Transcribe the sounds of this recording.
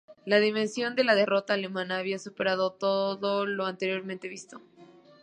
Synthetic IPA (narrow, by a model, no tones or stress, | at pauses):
laðimẽ̞nsjo̞nd̪e̞laðe̞ro̞t̪aːle̞mãnaːβ̞iasupe̞ɾað̞o̞t̪o̞ðo̞lo̞ant̪e̞ɾjo̞ɾmẽnt̪e̞βist̪o̞